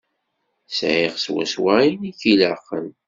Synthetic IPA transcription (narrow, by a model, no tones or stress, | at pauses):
sʕiʁswæ̰swæiniçiləqːə̰n